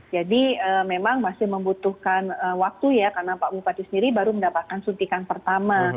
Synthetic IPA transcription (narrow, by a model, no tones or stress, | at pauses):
d͡ʒadiəmemaŋmasɪhməmbut̪uhkanəwak̚t̪ujakarnapabupat̪isəndiɾibaɾuməndapat̪̚kansunt̪ikanpərt̪ama